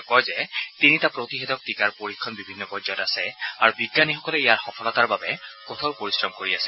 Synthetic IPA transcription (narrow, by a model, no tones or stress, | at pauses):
kɔjzɛtinitapɹotiɦɛdɔk̚tikaɹpoɹikʰːɔnbibʱinːɔpɔzɔtasɛaɹubiɡːanixɔkɔlɛijaɹxɔpʰɔlɔtaɹbabɛkot̪ʰawpoɹisɹɔmkoɹiasɛ̥